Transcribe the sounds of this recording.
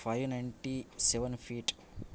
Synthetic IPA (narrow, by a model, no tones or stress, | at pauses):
pʰajʋnɐjɳʈisɛʋɐnpʰiːʈ